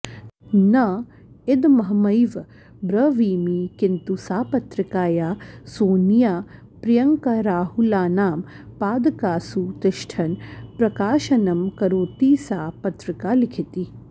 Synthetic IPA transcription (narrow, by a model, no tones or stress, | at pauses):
nɐ | ed̪mɐɦɐmɐjʋ | bɾɐʋiːmikint̪usaːpɐt̪ɾɪkaːjaːsoːnjaː | pɾijɐŋkɐɾaːɦulaːnaːm | paːd̪ɐkaːsut̪ɪʃʈʰɐnpɾɐkaːʃɐnɐmkɐɾoːt̪iːsaːpɐt̪ɾɪkaːlikʰit̪i